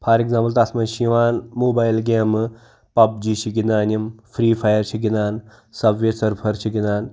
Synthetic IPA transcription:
pʰaːɾeɡzãːmpɐlt̪asʰmɐʃiʋaːnmoːbaːjlɡeːm | pɐb̚d͡ʒiʃiɡinaːnjɐmfʰɾiːpʰajɐɾt͡ʃʰiɡinaːn | sɐbʋesɐɾpʰɐɾt͡ʃʰiɡinaːn

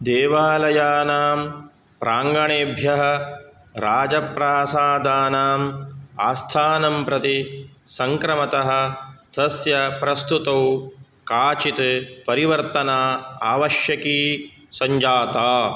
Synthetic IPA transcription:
d̪eːʋaːlɐjaːnaːm | pɾʔaːŋɡɐɳeːbʱjɐɦɐ̆ | ɾaːd͡ʒɐpɾaːsaːd̪aːnaːmaːst̪ʰaːnɐmpɾɐt̪isɐŋkɾɐmɐt̪ɐɦɐ̆t̪ɐsjɐpɾɐst̪ut̪ɐw | kaːt͡ʃit̪pɐɾiʋɐɾt̪ɐnaːaːʋɐʃjɐkiː | sɐɲd͡ʒaːt̪aː

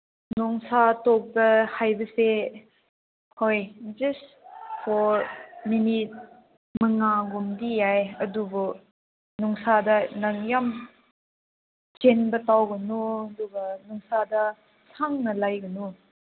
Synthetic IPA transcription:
nɔŋsatɔk̚dɐhajbɐse | hojd͡ʒɐs | pʰɔɾminit̚ | mɐŋaɡumdijajɐdubu | nuŋsadɐnaŋjam | t͡ʃenbɐtawɡɐnuɐdubɐnuŋsadɐ | sʰaŋnɐlajɡɐnu

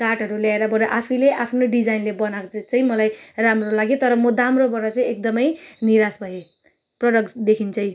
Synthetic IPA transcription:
kaʈʌɾuljaeɾʌbʌɾeʔapʰileʔapʰnoɖid͡zajnlebʌnat͡saĩmʌlajramrolaɡjet̪ʌɾʌmʌd̪amrobʱʌɾʌt͡saj̃ek̚d̪ʌmʌjniɾasbʱʌje | prʌɽʌkd̪ekʰint͡sʌj̃

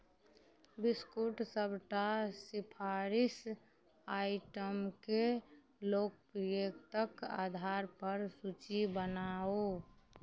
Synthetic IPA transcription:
bɪskuʈsəbʱʈasɪpʰaɾɪs | aːɪʈəmke | loːk̚pɾjekt̪əka̰ːd̪ʱaɾpəɾsut͡ʃibənao

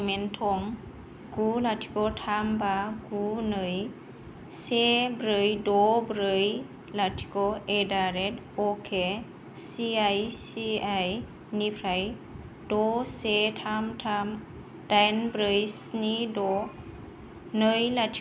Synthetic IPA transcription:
mentʰɔŋ | ɡulatʰi̥kɔtʰambaɡunɯj | sebɾɯjdɔbɾɯj | latʰi̥kɔedaɾet | ɔkʰe | siajsiaj | nipʰɾaj | dɔsetʰamtʰam | d̥ajnbɾɯjsnidɔ | nɯjlatʰ

